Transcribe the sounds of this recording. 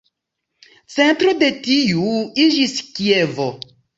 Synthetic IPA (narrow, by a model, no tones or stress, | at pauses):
t͡se̞ntɾo̞de̞tiuid͡ʒiskievo